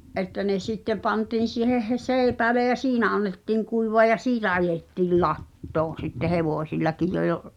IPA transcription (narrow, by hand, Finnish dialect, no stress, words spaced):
ʔetːæ ne sitːem̆ pɑntiːn̞ siːheh̆ heseːĭpæːle jɑ siːnæ ɑnːetːiːŋ kuiʋoɑ jɑ siːtæ ɑjetːiːl lɑtːoːn̞ sitːe heʋoˑsilːɑkij jo j̆ŏ